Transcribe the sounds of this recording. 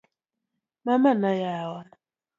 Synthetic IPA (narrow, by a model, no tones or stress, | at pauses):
mamanajawa